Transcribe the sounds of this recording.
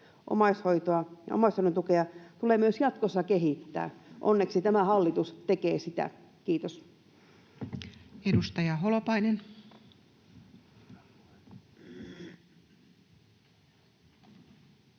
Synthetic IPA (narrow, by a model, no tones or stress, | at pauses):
ʔo̰mɑishoit̪oɑjɑ̰o̰mɑshoient̪ukeɑt̪uleːmyøsjɑt̪kosːɑkeɦit̪ːæ̰ːʔonːeksit̪æmæhɑlːit̪ust̪ekeːsit̪æ̰ | kiːt̪os | edust̪ɑjɑɦolopɑinen